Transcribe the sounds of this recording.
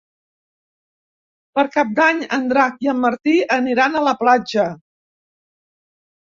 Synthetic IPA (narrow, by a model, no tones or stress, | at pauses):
pəɾkap̚d̪aɲənd̪ɾakiəmːəɾt̪iəniɾanələplad͡ʒə